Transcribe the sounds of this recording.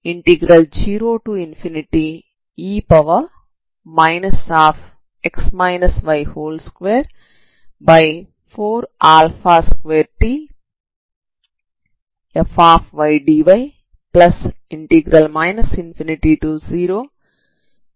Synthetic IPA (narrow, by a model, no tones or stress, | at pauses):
iɳʈiɡɾɐld͡ʒiːɾoːʈuːinfʰiniʈi | iːpɐʋɐ | majnɐsaːpʰ | eksmajnɐsʋɐjhoːlskʋeːɾ | bɐj | pʰoːɾaːlfʰaːskʋeːɾʈiː | efaːpʰʋɐjɖiːʋɐj | plɐsiɳʈiɡɾɐlmajnɐsinfʰiniʈiʈuːziːɾoː